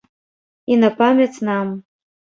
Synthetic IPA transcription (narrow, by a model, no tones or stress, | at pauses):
inapamʲet͡sʰnam